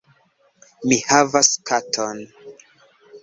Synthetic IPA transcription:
mihavaskʰatʰon

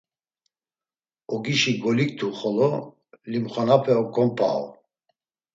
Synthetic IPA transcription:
ɔɡiʃiɡɔlik̚t̪ʰuχɔlɔ | limχɔnapʰɛɔkɔmpʰʼa̰ɔ̰

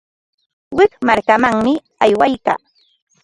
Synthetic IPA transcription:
wɪkmaɾkamaŋmɪ | ajwajka̰ː

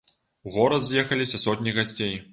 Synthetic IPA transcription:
uɣɔɾɐd̪zʲjɛxɐlʲisʲɐsɔtʲnʲiɣasʲt͡sʲej

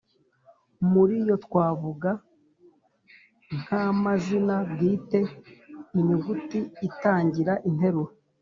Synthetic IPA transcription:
muɾijo̞tkwaːvuɡa | ŋ̥hamazinaɡiːte̞ | iɲuɡutiːtaːɲɟiɾaʔin̥he̞ɾuɾo

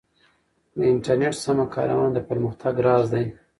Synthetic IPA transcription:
d̪əɪɳʈaɾneʈsamakɑ̰ɾa̰wɑnd̪əpəɾməxt̪aɡɾɑzd̪aj

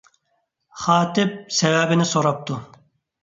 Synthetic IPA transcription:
χɑːt̪ɪp̚sɛvɛbɪnɪsoɾɑp̚t̪ʰu

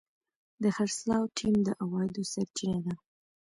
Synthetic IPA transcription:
d̪əxaɾslɑwʈʰimd̪əʔawɑjd̪osaɾt͡ʃined̪a

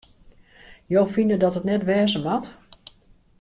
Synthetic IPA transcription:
joːfinədɔtətnɛtʋɛːzəmat

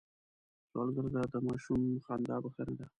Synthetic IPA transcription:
sɑ̰lɡəɾd̪ad̪əmɑʃumxɑnd̪ɑbaxanad̪a

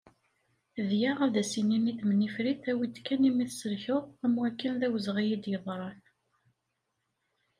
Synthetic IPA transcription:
ðjaʁæðæsininiθmənifɾiθæwid̪kːænimiθsəɾçʊʁæmwækːənðæwəzʁijid̪jəðˤɾˤɑn

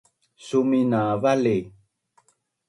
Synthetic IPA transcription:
suminavali

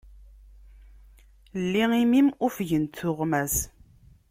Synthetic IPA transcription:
lːiimimʊfʝənt̪ːʊʁmæz

